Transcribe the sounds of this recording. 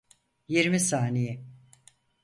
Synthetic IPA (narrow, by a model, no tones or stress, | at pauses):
jeɾmisaːneji